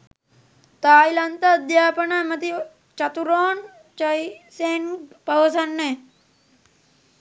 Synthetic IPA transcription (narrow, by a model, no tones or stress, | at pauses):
t̪aːjlɐnt̪ɐːd̪jaːpɐnamɐt̪i | t͡ʃɐt̪uɾoːn | t͡ʃɐjseːnpɐʋɐsɐnːe